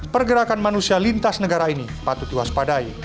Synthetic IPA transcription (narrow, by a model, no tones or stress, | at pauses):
pərɡəɾakanmanusialint̪asnəɡaɾainipat̪ut̪uɦaspadai